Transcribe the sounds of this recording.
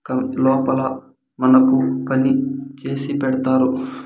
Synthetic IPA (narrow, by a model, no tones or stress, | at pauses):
kɐmlɔːpɐlɐ | mɐnɐkupɐnit͡ʃe̞ːsipɛɽɐt̪aːɾu